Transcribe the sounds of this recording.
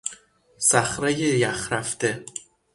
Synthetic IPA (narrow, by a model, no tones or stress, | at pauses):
sæχɾæjejæχɾæft̪e